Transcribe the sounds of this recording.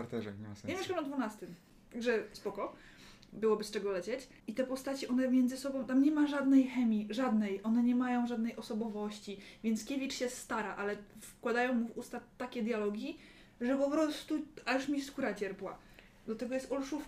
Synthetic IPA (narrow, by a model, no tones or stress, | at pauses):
aɾt̪ɛʐɛɲɛmsɲemʲeʂkɛmɔd̪vunast̪ɘm | t̪aɡʐɛspɔkɔ | bɘwɔbɘst͡ʂɛɡɔlɛt͡ɕet͡ɕ | it̪ɛpɔst̪at͡ɕiʔɔnɛmʲjɛnd̪zɨsɔbɔ̃w̃t̪amɲɛmaʐad̪nɛjxɛmʲiʐad̪nɛjʔɔnɛɲɛmajɔ̃w̃ʐad̪nɛjʔɔsɔbɔvɔɕt͡ɕivʲjɛnt̪skʲevʲit͡ʂɕɛst̪aɾaʔalɛfkwad̪ajɔ̃w̃muvust̪at̪ːakʲejd̪jalɔɡʲi | ʐɛpɔpɾɔst̪uajuʂmʲiskuɾat͡ɕɛɾpwa̰ | d̪lat̪ɛɡɔjɛst̪ɔlʂuf